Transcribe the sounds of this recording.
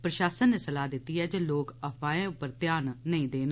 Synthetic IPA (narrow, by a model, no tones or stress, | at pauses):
pɾəʃaːsənːeːsəlaːd̪ɪt̪ːiːɦɛːd͡ʒeːloːkəpʰaːẽʊpːəɾt̪jaːnːəĩːd̪eːn